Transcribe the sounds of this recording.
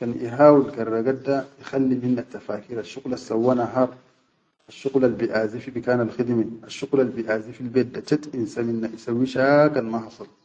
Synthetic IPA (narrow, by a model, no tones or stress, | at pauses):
kanʔḭɦaːwilkarˤːaɡadajixalːiminːat̪ːafaːkiːɾaʃːuɣlasːawːanaɦɑːɾˤ | aʃːuɣlalbiʔaːzifibikaːnalxid̪miaʃːuɣlalbiʔaːzifilbeːdːat͡ʃat̪insaminːaʔisawːiʃakanmahɑsˤɨl